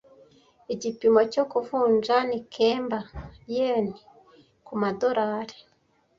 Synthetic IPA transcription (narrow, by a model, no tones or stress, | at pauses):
iɟipimoco̞kufuːnd͡ʒanikʰeːmbajeni | kumado̞ɾaːɾe̥